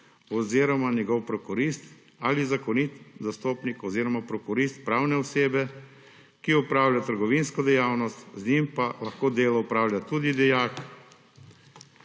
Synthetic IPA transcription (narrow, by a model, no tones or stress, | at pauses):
ɔziːɾɔmanjɛɡɔwpɾɔkɔɾist̪ | alizakɔnit̪zast̪oːpnikɔziːɾɔmapɾɔkɔɾist̪̚pɾaːwnɛɔseːbɛ | kiɔpɾaːwlʲjat̪əɾɡɔʋinskɔd̪ɛjaːwnɔst̪znimpalaxkoːd̪eːlɔupɾaːwljat̪uːd̪id̪ɛjaːk